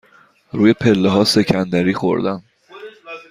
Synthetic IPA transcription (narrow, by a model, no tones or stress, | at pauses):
ɾuːjepʰe̞lːeɦɒːse̞cʰænd̪æɾiːxo̰ɾd̪æm